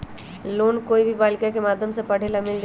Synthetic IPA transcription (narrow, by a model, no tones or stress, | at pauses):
loːnkoːibʱibaːlɪkakemaːd̪ʱjəmsepəɽ̤elamɪld͡ʒ